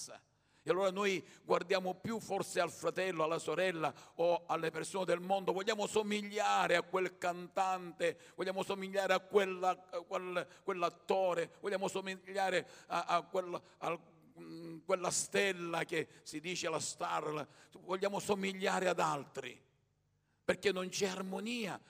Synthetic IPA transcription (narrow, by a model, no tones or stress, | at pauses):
sa̰ | ealːoːɾanɔjɡward̪jaːmʊpjufɔrsɪalfɾat̪ɛlːoalːasoɾɛlːaɔalːepersoːned̪elmɔnd̪ovɔʎːaːmʊsomiʎːaːɾɪakːwelkant̪ant̪e | vɔʎːaːmʊsomiʎːaːɾɪakːwelakwelkwelːat̪ːɔːɾevɔʎːaːmʊsomiʎːaːɾɪaakwelːa | a | kwelːast̪ɛlːak̟esid̪iːt͡ʃealast̪arlvɔʎːaːmosomiʎːaːɾɪad̪alt̪ɾḭ | perk̟ːenːont͡ʃɛarmoniːa̰